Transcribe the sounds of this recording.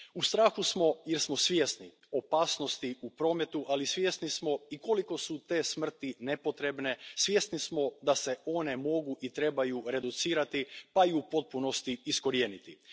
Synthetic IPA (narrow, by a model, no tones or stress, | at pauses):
ust̪ɾaːxusmo̞jeɾsmo̞sʋjest̪ni | o̞paːsno̞st̪iupɾo̞ːme̞t̪uʔalisʋje̞st̪nismo̞iko̞liko̞sut̪e̞ːsmr̩t̪ine̞po̞t̪ɾe̞bne̞sʋje̞st̪nismo̞d̪ase̞o̞ne̞mo̞ɡuʔit̪ɾe̞bajuɾe̞d̪ut̪siːɾat̪ipaiupo̞t̪̚puno̞st̪iːsko̞ɾie̞ːnit̪i